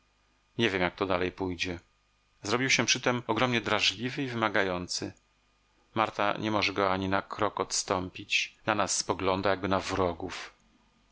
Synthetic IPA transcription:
ɲevʲjɛmjak̚t̪ɔd̪alɛjpujd͡ʑɛ | zɾɔbʲiwɕɛpʂɘt̪ɛmɔɡɾɔmɲɛd̪ɾaʐlʲivɘivɘmaɡajɔnt̪sɘ̰ | maɾt̪a̰ɲʔɛmɔʐɛɡɔaɲinakʰɾɔkɔt̪st̪ɔmpʲit͡ɕnanasːpɔɡlɔnd̪ajaɡ̚bɘnavɾɔɡuf

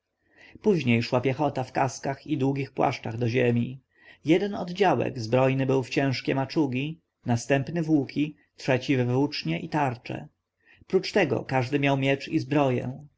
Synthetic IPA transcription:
puʑɲejʂwapʲjɛxɔt̪afkaskaxid̪wuɡʲixpwa̰ʂt͡ʂaɣd̪ɔʑemʲi | jɛd̪ɛnɔ̰d̪d͡ʑawɛ̰ɡzbɾɔjnɘbɘwft͡ɕɛ̃w̃ʂkʲɛmat͡ʂuɡʲi | nast̪ɛmpnɘvwukʲʰi | tʂɛt͡ɕivɛvut͡ʂɲɛʔit̪aɾt͡ʂɛ̰ | pɾut͡ʂt̪ɛɡɔ̰kaʐd̪ɘmʲjawmʲjɛt͡ʂizbɾɔjɛ̰̃

